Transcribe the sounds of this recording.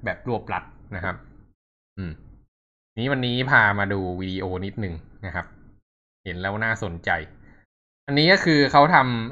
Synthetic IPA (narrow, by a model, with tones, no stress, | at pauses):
bɛː˨˩p̚ɾu˥˩əp̚la˦˥t̪̚na˦˥kʰa˦˥p̚ | ʔɯː˨˩m | niː˦˥wa˧nːiː˦˥pʰaː˧maː˧duː˧wiː˧diː˧ʔoː˧ni˦˥t̪̚nɯ˨˩ŋna˦˥kʰa˦˥p̚ | he˩˦nlɛː˦˥wnaː˥˩so˨˩˦nt͡ɕa˧j | ʔa˧nːiː˦˥kɔ˥˩kʰɯː˧kʰa˦˥wt̪ʰa˧m